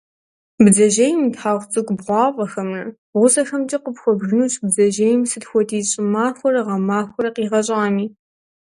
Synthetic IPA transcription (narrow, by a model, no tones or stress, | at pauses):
bd͡zɐʒejmtħaːʁʷt͡sʼɨkʷʼbʁʷɑːqʷʼɐxɐmrɐ | ʁʷʊsɐxɐmtʼiqəpxʷɔbʒɨnuːɕʼbd͡zɐʒejɪmsɨtxʷɔtʰʼiːɕʼɪmaːxʷɔrɐʁɐmaːxʷɔɾɐqiːʁɐɕʼaːmiː